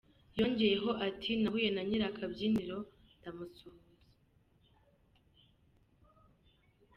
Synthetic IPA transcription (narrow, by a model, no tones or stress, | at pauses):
joɲɟejeɦo̞ʔatʰinaɦuje̞naɲiɾakʰabɟiːniɾo̞ | ndamusuhuze